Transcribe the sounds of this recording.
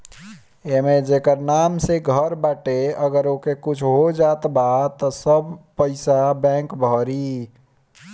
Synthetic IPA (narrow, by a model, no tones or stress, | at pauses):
emed͡ʒekəɾnamseɡʱəɾbaʈeəɡəɾokekut͡ʃʰɦod͡ʒat̪bat̪əsəbpəɪsabɛ̃ŋkbʱɔɾi